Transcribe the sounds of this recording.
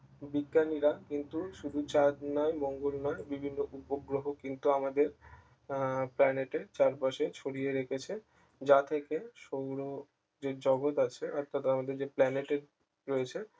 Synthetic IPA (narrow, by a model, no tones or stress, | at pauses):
biɡːaniɾakint̪uʃud̪ʱut͡ɕad̪nɔemɔŋɡolnɔebibʱinːoʔupoɡɾoɦokint̪uamad̪eɾ | plɛneʈet͡ɕaɾpaʃet͡ɕʰoɽijeɾekʰet͡ɕʰe | d͡ʑat̪ʰekeʃowɾo | d͡ʑeɾd͡ʑɔɡot̪at͡ɕʰeɔɾt̪at̪amad̪eɾd͡ʑeplɛneʈeɾ | ɾojet͡ɕʰe